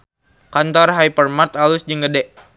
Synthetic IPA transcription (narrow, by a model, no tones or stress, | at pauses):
kant̪ɔrɦajpərmart̪alusd͡ʒəŋɡədɛʔ